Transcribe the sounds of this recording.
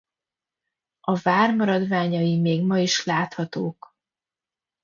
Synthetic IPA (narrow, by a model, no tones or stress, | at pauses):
ɒvaːrmɒɾɒd̪vaːɲɒimeːɡmɒiʃlaːt̪hɒt̪oːk